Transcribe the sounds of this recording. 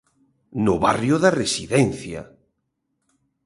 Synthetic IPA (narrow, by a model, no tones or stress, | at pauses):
nʊβa̰rjʊðaresiðɛnθja̰